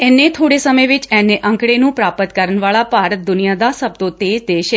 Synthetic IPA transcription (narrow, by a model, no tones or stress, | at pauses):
ɛːnːet̪ʰoːɽesəməjʋɪt͡ʃɛneʔə̃ŋkɽenũpɾaːpət̪kəɾəɳʋaːɭapaːɾət̪̚d̪ʊnijad̪asəb̚t̪õt̪eːd͡ʒd̪eːʃe